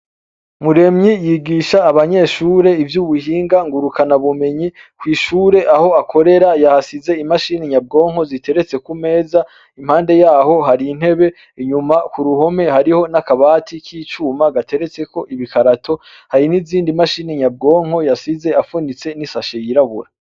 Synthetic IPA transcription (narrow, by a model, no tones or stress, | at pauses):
muɾe̞mɲijiɡiʃaːβaɲe̞ːʃuːɾe̞ivjuβuhiːŋɡaŋɡuɾukanaβume̞ɲikwiːʃuːɾe̞ʔaho̞akʰo̞ɾe̞ɾajahasize̞imaʃiːniɲab̚ɡo̞ːŋho̞zitʰe̞ɾe̞t͡se̞kume̞ːza | im̥haːnde̞jaːho̞ɦaɾin̥he̞βe̞ | ɲumakuɾuho̞me̞haɾiho̞nakaβaːtʰikʰiːt͡ʃuːmaɡatʰe̞ɾe̞t͡se̞ko̞ʔiβikʰaɾatʰo̞ | haɾiniziːndimaʃiːniɲab̚ɡo̞ːŋ̥ho̞jasize̞afunit͡se̞nisaʃejiɾaβṵɾa